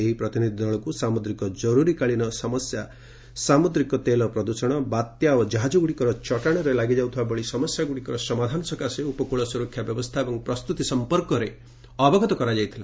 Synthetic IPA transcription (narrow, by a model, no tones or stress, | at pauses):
eɦipɾɔt̪inid̪ʱid̪ɔɭɔkusamud̪ɾikɔd͡ʒɔɾuɾikaɭinɔsɔmɔsja | samud̪ɾikɔt̪elɔpɾɔd̪usɔɽ̃ɔbat̪jaod͡ʒaɦad͡ʒɔɡuɽikɔɾɔt͡ʃɔʈaɽ̃ɔɾelaɡid͡ʒawt̪ʰibabɔɭisɔmɔsjaɡuɽikɔɾɔsɔmad̪ʱanɔsɔkaseupɔkuɭɔsuɾɔkʰjabjɔbɔst̪ʰaebɔŋpɾɔst̪ut̪isɔmpɔɾkɔɾe | ɔbɔɡʱɔt̪ɔkɔɾad͡ʒajt̪ʰila̰